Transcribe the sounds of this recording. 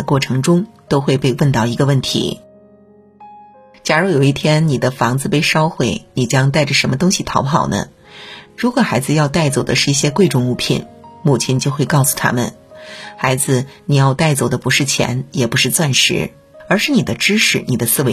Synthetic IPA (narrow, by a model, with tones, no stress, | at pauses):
ə˦kwɔ˥˩ʈ͡ʂʰɤ˧˥ŋʈ͡ʂʊ˥ŋt̪o˥ʊxwe˥˧ɪpe˥˧ɪwə˥˧nt̪ɑ˥˩ʊi˧˥ɡə˧wə˥˩nt̪ʰḭ˧˥ | t͡ɕja˨˩ɻu˥˩jo˨˩ʊi˥˩t̪ʰjɛ˥nni˨˩d̪ə˦fɑ˧˥ŋd͡zɹ̩˧pe˥˧ɪʂɑ˥ʊxwe˥˩ɪni˨˩t͡ɕjɑ˥ŋt̪a˥˩ɪʈ͡ʂə˩ʂə˧˥nmə˧t̪ʊ˥ŋɕi˨t̪ʰɑ˧˥ʊpʰɑ˨˩ʊnə̰˦ | ɻu˧˥kwɔ˨˩xa˧˥ɪd͡zɹ̩˧jɑ˥˧ʊt̪a˥˩ɪt͡so˨˩ʊd̪ə̰˦ʂɻ̩˥˧i˥˩ɕjɛ˥kwe˥˧ɪʈ͡ʂʊ˥˩ŋu˧˥pʰḭ˨˩˦nmu˥˩t͡ɕʰjɛ˧˥nt͡ɕjo˥˧ʊxwe˥˧ɪkɑ˥˩ʊsu̥˨˩t̪ʰa̰˥mə̰˨n | xa˧˥ɪd͡zɹ̩˧ni˨˩jɑ˥˧ʊt̪a˥˩ɪt͡so˨˩ʊd̪ə˦pu˧˥ʂɻ̩˥˩t͡ɕʰjɛ̰˧˥njɛ˨˩pu˧˥ʂɻ̩˥˧t͡swa˥˩nʂɻ̩̰˧˥ | ə˞˧˥ʂɻ̩˥˩ni˨˩d̪ə˦ʈ͡ʂɻ̩˥ʂɻ̩˥˩ni˨˩d̪ə˦sɹ̩˥˧we˧˥